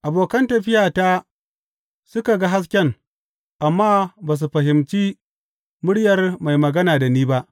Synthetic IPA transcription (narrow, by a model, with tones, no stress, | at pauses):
ʔa˨boː˨kɐ˦ntɐ˨ɸɪ˦jaː˨taː˦ | sʊ˦ka˨ɡa˦ɦa˦s̬kʲɛ˦ŋ | ʔa˨mːaː˦baː˨s̬u˨ɸɐ˨ɦɪ˨mt͡ʃi˦ | mʊ˦ɽjɐ˨rma˨jmɐ˨ɡɐ˦naː˨da˨niː˦ba˦ʔ